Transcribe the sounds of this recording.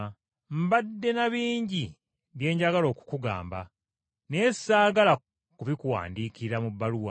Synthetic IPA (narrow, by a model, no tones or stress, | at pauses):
mbadːe̞naβiːɲɟi | ɡe̞ːɲɟaɡalo̞ːku̥kuɡa̰ːmba̰ | ne̞̥ːsaːɡala | kuβikuwa̰ːndiːkiɾamuβːaluwa